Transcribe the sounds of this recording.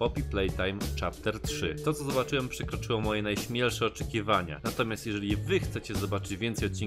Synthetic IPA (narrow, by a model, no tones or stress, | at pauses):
pɔpʲiplɛjt̪ajmt͡ʂapt̪ɛɾtʂɘ̰t̪ɔt̪sɔzɔbat͡ʂɘwɛmpʂɛkɾɔt͡ʂɘwɔmɔjɛnajɕmʲjɛlʂɛɔt͡ʂɛkʲivaɲa̰nat̪ɔmʲjast̪jɛʐɛivɘxt̪sɛt͡ɕɛzɔbat͡ʂɘd͡ʑvʲjɛnt̪sɛjɔt̪̚t͡ɕːin